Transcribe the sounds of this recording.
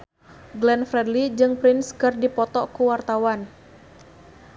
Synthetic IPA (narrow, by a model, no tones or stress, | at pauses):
ɡlɛnfɾɛdlid͡ʒɨŋpɾɪnskɨrdipɔt̪ɔkuwart̪awan